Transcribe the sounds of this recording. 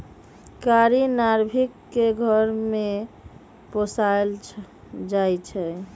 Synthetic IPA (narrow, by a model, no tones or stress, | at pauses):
kaɾinaɾbʱikːeɡʱəɾme | posael | d͡ʒajt͡ʃʰɛ